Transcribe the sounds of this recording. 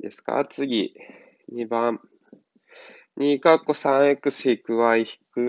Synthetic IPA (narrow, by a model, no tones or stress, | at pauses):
d̪esɨ̥ka̰t͡sɨɡʲi | ɲʲibãɴ | ɲʲikakːo̞sãɰ̃ekɯ̟ɕikɯ̟βaiçi̥kɯ̟